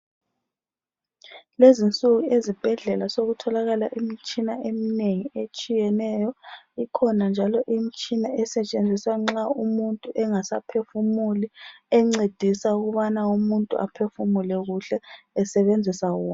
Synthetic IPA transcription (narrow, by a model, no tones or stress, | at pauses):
lezint͡sʼuɣuezib̥ʱɛɮɛlasoɣutʰɔlaɣalaʔimit͡ʃʼinaemineŋiet͡ʃʼijɛnɛjɔikʰɔnand͡ʒʱalɔʔimit͡ʃʼinaɛsɛt͡ʃʼend͡zʱisaŋ͡ǁaumuntʼuʔɛŋasapʰefumuliɛŋ͡ǀed̥ʱisauɣuβanaumuntʼṵʔa̰pʰefumulɛɣuɬɛːsɛβend͡zʱisaɣua